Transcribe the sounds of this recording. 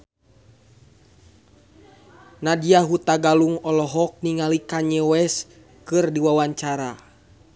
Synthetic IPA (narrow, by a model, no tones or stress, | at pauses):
nadiaɦut̪aɡaluŋɔlɔɦɔk̚niŋalikaɲɛwɛs | kɨrdiwawaɲt͡ʃaɾa